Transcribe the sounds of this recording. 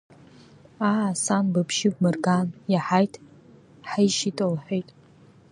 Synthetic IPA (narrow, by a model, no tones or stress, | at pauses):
aasanbapʰʃɪb̚mɨrɡanjaħajtʰ | ħajʃitʼolħʷᶣejtʼ